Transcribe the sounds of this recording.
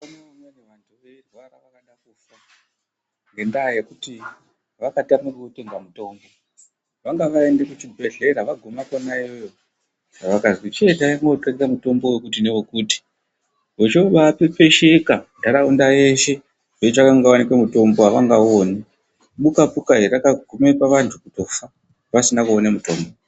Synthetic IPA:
anaonaneʋantʰuʋerwaraʋakaɗakufa | ŋɡe̞ndaːjekuti | ʋakatamukukuteŋɡamuto̞ːmbo̞ | ʋaŋɡaʋae̞ndekut͡ʃibʱe̞ɮe̞ɾaʋaɡʱomakonaiojo | ʐaʋakazwit͡ʃetaiŋɡoǃakikamuto̞mbowekutinewokuːti̥ | ʋet͡ʃoʋapepe̞ʃekadʱaɾaundaje̞ʃe̞ | ʐet͡ʃakaŋɡawanikwemuto̞mboaʋaŋɡaone | ɓukapukaɦeakaɡʱumepaʋantʰukuto̞fa | ʋasinakuonamuto̞ːmbo

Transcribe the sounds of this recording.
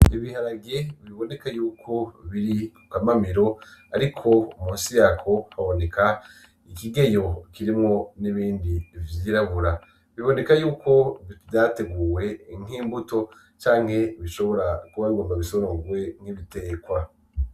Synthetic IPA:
iβihaɾaɡeβiβo̞ne̞kajuːkʰo̞βiɾikukamamiɾo̞aɾikʰo̞umuːnsijaːkʰo̞haβo̞ne̞kʰa | ikiɡe̞jo̞kiɾimŋo̞niβiːndivjiːɾaβuɾa | βiβo̞ne̞kajuːkʰo̞vivdate̞ɡuːwe̞ŋ̥iːmbuto̞ | t͡ʃaːŋ̥he̞βiʃo̞βo̞ɾakuβaβiɡoːmbaβisoɾoɡwe̞ŋ̥hiβite̞ːkwa

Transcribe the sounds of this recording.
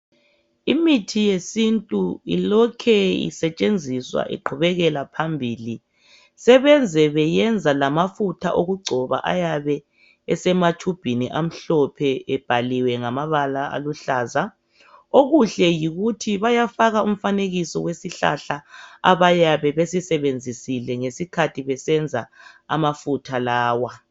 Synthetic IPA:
imitʰijesintʼuḭlɔkʰɛḭsɛt͡ʃʼend͡zʱiswa̰ʔḭǃʰuβɛɣɛlapʰambʱiːli | sɛβɛnd͡zʱɛβɛjɛnd͡zʱalamafutʰa̰ʔoɣuɡ͡ǀʱɔβa̰ʔa̰jaβɛ | ɛsɛmatʰub̥ʱiniʔam̩ɬɔpʰɛɛb̥ʱaliwɛŋamaβalaa̰luɬaːza | oɣuɬɛjiɣutʰiβajafaɣaum̩faneɣisɔ̰wesiɬa̰ɬaa̰βajaβɛβesisɛβend͡zʱisilɛŋesikʰatʰiβɛsɛnd͡zʱaamafutʰalaːwa

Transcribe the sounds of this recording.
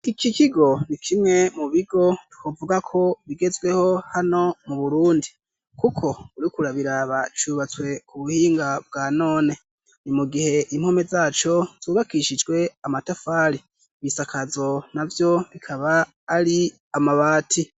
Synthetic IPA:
ikikiɡo̞nikʰimŋe̞muβiɡo̞tu̥kʰovuɡakʰo̞βiɡe̞zɡwe̞ho̞hano̞muβuɾuːndi | kukʰo̞uɾikuɾaβiɾaβat͡ʃuːβat͡swe̞kʰuβuhiːŋɡab̚ɡaːno̞ːne̞ | nimuɡihe̞ʔim̥home̞zaːt͡ʃo̞z̥uːβakiʃid͡ʒɡwe̞amatafaːɾi | βisakʰazo̞navjo̞βikʰaβaː | ɾi | amaβaːtʰi

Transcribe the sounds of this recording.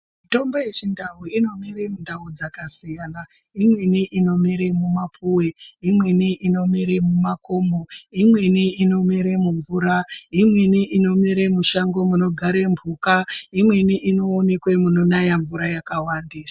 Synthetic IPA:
mito̞mboje̞t͡ʃindauino̞meɾe̞mundʱaud͡zakasijana | imwe̞niʔino̞meɾemumapʰuweimwe̞niʔino̞meɾemumakoːmoimwe̞niino̞meɾemuɱvuɾaimwe̞niʔino̞meɾe̞muʃaŋɡo̞muno̞ɡʱaɾeɱvʱuːkaimwe̞niʔino̞ːne̞kwe̞muno̞najaɱvuɾajakawandisḁ

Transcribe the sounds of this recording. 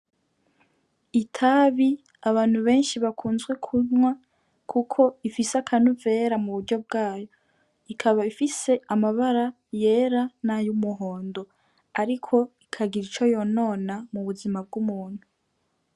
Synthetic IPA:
itʰaβi | aβaːn̥huβe̞ːnʃiβakʰuːnzɡwe̞kʰuɲwa | kʰukʰo̞ifiseakʰanuve̞ɾamuβudɟo̞bɡaːjo̞ | ikʰaβaifise̞amaβaɾa | je̞ːɾanajumuɦo̞ːndo̞ | aɾikʰo̞ikʰaɡiɾit͡ʃo̞jo̞no̞ːnamuβuzimab̚ɡumuːn̥hu

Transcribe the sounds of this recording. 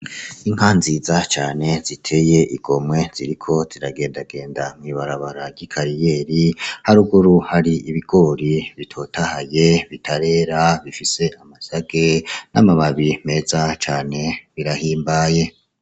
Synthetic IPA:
iŋ̥haːnziːzat͡ʃaːne̞zitʰe̞ːje̞ʔiɡ̥o̞mwe̞z̥iɾikʰo̞z̥iɾaɡe̞ːndaɡe̞ːndamŋiβaɾaβaɾaɾɟikʰaɾije̞ːɾihaɾuɡuɾuhaɾiiβiɡ̥o̞ɾiβitʰo̞ːtʰahaje̞βitʰaɾe̞ːɾaβifise̞amasaɡenʔamamaβime̞zat͡ʃaːne̞βiɾahiːmbaːje̞

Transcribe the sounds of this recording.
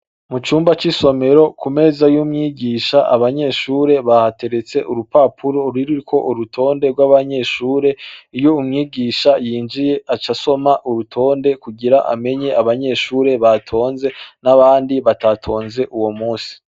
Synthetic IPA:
mut͡ʃuːmbat͡ʃiso̞me̞ɾo̞kume̞ːzajumŋiːɡiːʃaʔa̰βaɲe̞ʃuɾe̞βahate̞ɾe̞t͡se̞ʔuɾupapʰuɾo̞ɾiɾuɾikʰo̞ʔuɾutʰo̞ːnde̞ɡwaβaɲe̞ʃuːɾe̞ijo̞umŋiːɡiːʃajiːnd͡ʒije̞ʔat͡ʃasomaʔuɾutʰo̞ːnde̞kuɡiɾaʔa̰me̞ɲe̞ʔaβaɲe̞ʃuːɾe̞βatʰo̞ːnze̞naβaːndiβatatʰo̞ːnze̞ʔuwo̞muːsi̥

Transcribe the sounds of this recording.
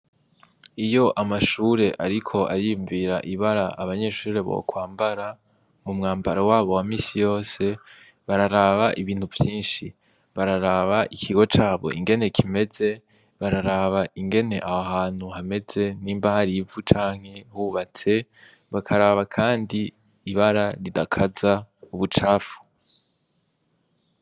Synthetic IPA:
ijo̞ʔamaʃuːɾe̞ʔa̰ɾikʰo̞ʔaɾijuɱviɾa̰ʔiβaɾaʔaβaɲe̞ʃuːɾe̞βo̰kwaːmbaɾa | mumŋaːmbaɾawaːβo̞wamiːsijo̞ːse̞ | βaɾaɾaβaʔiβiːn̥uvjiːnʃi | βaɾaɾaβaʔikʰiɡo̞t͡ʃaːβo̞̰ʔḭŋɡe̞ne̞kʰime̞ze̞ | βaɾaɾaβaiŋɡe̞ne̞ʔahaɦaːn̥huhame̞z̥e̞niːmbahaɾivut͡ʃaːŋ̥he̞huβat͡se̞ | βakʰaɾaβakʰaːndiː | βaɾaɾidakʰazauβut͡ʃaːfu̥

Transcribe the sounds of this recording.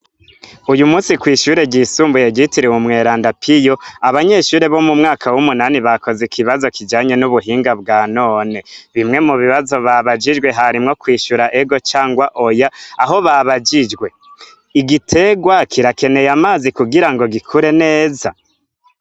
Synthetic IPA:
ujumuːsikwiːʃuɾe̞ɡisuːmbujeɡitiɾewumŋe̞ːɾaːndapʰijo̞aβaɲe̞ʃuːɾe̞βo̞mumŋaːkʰawumunaniβako̞zikʰiβazo̞kid͡ʒaːɲe̞nuβuɦiːŋɡabɡaːno̞ːne̞βimŋe̞muβiβazo̞βaβad͡ʒid͡ʒɡwe̞ɦaɾimŋo̞kwiːʃuɾaʔeɡo̞t͡ʃaːŋɡwaʔo̞jaaɦo̞βaβad͡ʒid͡ʒɡwe̞ | iɡitʰe̞ɡwakʰiɾake̞ne̞jamaːzikuɡiɾaŋɡo̞ɡikʰuɾe̞ne̞ːza

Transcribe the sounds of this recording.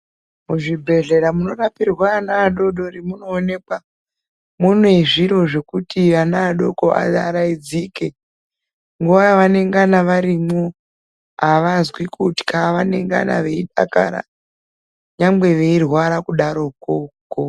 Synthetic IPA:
muʐibʱe̞ɮe̞ɾamuno̞rapirwaːnaːɗo̞ɗo̞ɾimuno̞ːne̞kwa | muneiʐiɾo̞ʐe̞kutiʋanaːɗo̞koa̰aɾaid͡zike | ŋɡuʋajaʋane̞ŋɡanaʋaɾimo | aʋazwikuti̥kaʋane̞ŋɡa̰na̰ʋe̞iɗa̰ka̰ɾa̰ | ɲambe̞ʋe̞irwaɾakuɗaɾo̞koko

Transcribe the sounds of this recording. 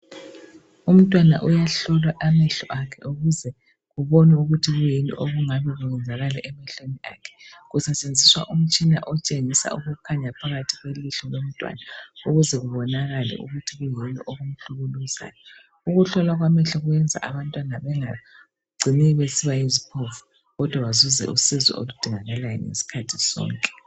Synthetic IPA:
um̩tʼwana̰ʔujaɬɔlwaʔamɛɬɔ̰ʔakʰɛ̰ʔuɣuzɛ | ɣuβonɛuɣutʰiɣujinʼɔ̰ʔoɣuŋaβiɣujɛnd͡zʱaɣalɛʔɛmɛɬoniakʰɛ̥ɣusɛt͡ʃʼend͡zʱiswaʔum̩t͡ʃʼina̰ʔɔt͡ʃʼeŋisa̰uɣukʰaɲapʰaɣatʰiɣweliɬɔlom̩tʼwa̰nauɣuzɛɣuβɔnaɣalɛ̰ʔṵɣutʰiɣujinḭʔoɣum̩ɬuɣuluza̰jɔ | uɣuɬɔlwaɣwamɛɬɔɣujɛnd͡zʱa̰ʔaβantʼwanaβɛŋa | ɡ͡ǀʱiniβesiβaizipʰɔfu̥ | ɣɔd̥ʱwawazuzɛ̰ʔusizwɛ̰o̰lud̥ʱiŋaɣalajɔ̰ŋḛsi̥kʰatʰi̥sɔ̰ːŋkʼɛ̥

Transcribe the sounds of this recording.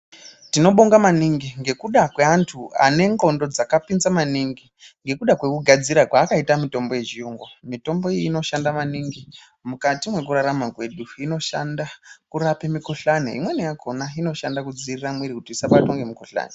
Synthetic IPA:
tino̞ɓoŋɡamaniŋɡiŋɡe̞kuɗakwe̞antʰua̰ne̞ŋɡo̞ndo̞d͡zakapinzamaniŋɡi | ŋɡe̞kuɗakwe̞kuɡʱad͡ziɾakwaːkaitamito̞mbo̞je̞ʒiuːŋɡomito̞mbo̞iino̞ʃandamaniŋɡi | mukatimwe̞k̬uɾaɾamakwe̞ɗuino̞ʃandakuɾapemikuɬanḛḭmwe̞nijakʰo̞naino̞ʃandakud͡ziriramwiɾikutiisaɓato̞ŋɡemikuɬa̰ːne

